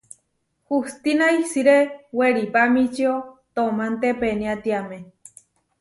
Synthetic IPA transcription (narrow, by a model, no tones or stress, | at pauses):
hust̪inaisiɾeweɾipamit͡ʃiot̪omant̪epeniat̪iame